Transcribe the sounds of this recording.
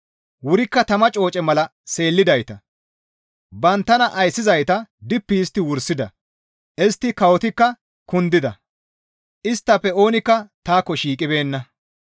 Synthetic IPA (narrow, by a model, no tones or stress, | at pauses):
wʊɾɪkːɐt̪ɐmɐt͡ʃʼo̞ːt͡ʃʼɛmɐlɐse̞ːlːɪd̪ɐjt̪ɐ | bɐnt̪ːɐnɐʔɐjsːɪzɐjt̪ɐd̪ɪpːiːst̪ːɪwʊɾsɪd̪ɐ | ʔɛst̪ːɪkɐwɔt̪ɪkːɐ | kʊnd̪ɪd̪ɐ | ʔɪst̪ːɐpːɛo̞ːnɪkːɐt̪aːkːɔʃiːkʼɪbe̞ːnːɐ